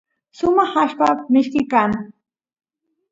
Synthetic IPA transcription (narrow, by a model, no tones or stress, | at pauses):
sʊmɑχaʃpamɪʃkɪkaːŋ